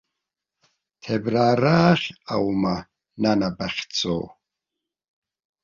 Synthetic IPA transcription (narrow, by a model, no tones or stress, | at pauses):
t̪ʰɛbɾaːɾaːχa̰wma | nanabaχʲt͡sʼɔ̰ː